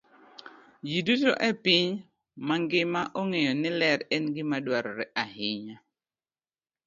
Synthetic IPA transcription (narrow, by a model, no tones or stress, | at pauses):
jiduto̰ʔɛpɪɲ | maŋɡɪmaʔoŋejɔnɪlɛɾɛnɡɪmadwaɾɔɾɛʔahɪɲa